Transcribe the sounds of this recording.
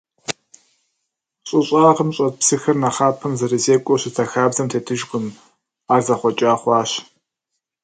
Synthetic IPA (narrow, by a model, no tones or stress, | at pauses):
ɕʼɪɕʼaːʁəmɕʼɐt̚psɨxɐrnɐχaːpʰɐmzɐɾɨzeːkʷʼɔɕɪtʰɐxaːbzɐmtʰeːtʰɨʒqʊm | aːrzɐχʷɔt͡ʃʼaːχʷɑːɕ